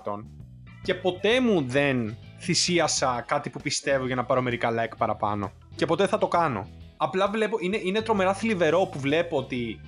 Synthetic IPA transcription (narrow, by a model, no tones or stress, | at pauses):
t̪o̞n | ce̞po̞t̪e̞muðe̞nθisiɐsɐkɐt̪ipupist̪e̞voʝɐnɐpɐɾo̞me̞ɾikɐlɐjkpɐɾɐpɐ̰no̞̰ | ce̞po̞t̪e̞θɐt̪o̞kɐno̞̰ɐplɐvle̞poineʔine̞t̪ɾo̞me̞ɾɐθilive̞ɾo̞puvle̞poot̪i